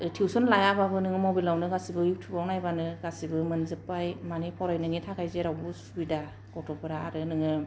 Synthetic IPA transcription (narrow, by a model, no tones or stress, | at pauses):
tʰiwsunlajababɯnɯŋɯmobilawnɯɡasibɯjuk̚tʰubawnajbanɯɡasibɯmɯnzɯpːajmanipʰawɾajnɯŋitʰakʰajzeɾawbɯsubida | ɡɔtʰɔpʰɯɾaːɾɯnɯŋɯ